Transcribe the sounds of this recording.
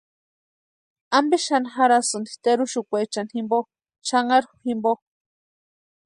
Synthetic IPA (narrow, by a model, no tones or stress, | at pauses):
ambiʃanxaɾasɨnd̪it̪eɾuʃukʷejt͡ʃanhimbo | t͡ʃaŋaɾxuximbo